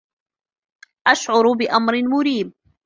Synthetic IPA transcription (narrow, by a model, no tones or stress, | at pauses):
ʔaʃʕʊɾbɪʔamɾɪmʊɾiːb̚